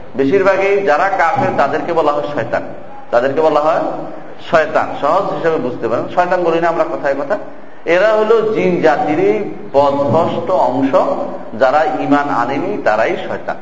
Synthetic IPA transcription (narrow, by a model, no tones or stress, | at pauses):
beʃiɾbʱaɡejd͡ʑaɾakasɦɔet̪ad̪eɾkebɔlaɦɔeʃɔet̪a̰n | t̪ad̪eɾkebɔlaɦɔe | ʃɔet̪a̰nʃɔɦod͡ʑɦiʃebebud͡ʑʱt̪epaɾenʃɔet̪anɡolojneamɾakɔt̪ʰaekɔt̪ʰa | eɾaɦolod͡ʑind͡ʑat̪iɾe | pɔd̪bʱɔʃʈoɔŋʃɔ | d͡ʑaɾaimana̰nenit̪aɾajʃɔet̪a̰n